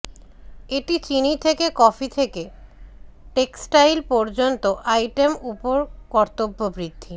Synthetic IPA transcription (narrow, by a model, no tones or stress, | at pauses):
eʈit͡ɕinit̪ʰekekɔfit̪ʰeke | ʈeksʈajlpɔɾd͡ʑont̪oʔajʈemupoɾkɔɾt̪obːobɾid̪ʱːi